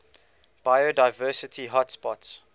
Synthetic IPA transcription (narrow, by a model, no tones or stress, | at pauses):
b̥ajodaɪvɜːˑsɪtʰiɦɔtspɔts